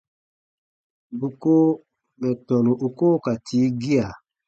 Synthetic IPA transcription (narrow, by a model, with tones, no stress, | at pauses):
bu˨ko˦ | mɛ˨tɔ˨nu˨ʔu˨ko˦ka˨tʰi˨˦ɡi˦a˨